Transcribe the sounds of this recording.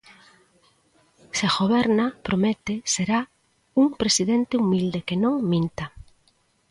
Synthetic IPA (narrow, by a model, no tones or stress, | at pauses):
seaɣoβɛɾnapɾomet̪eseɾa | uŋpɾesiðent̪ɪumild̪ekenõŋmĩnt̪a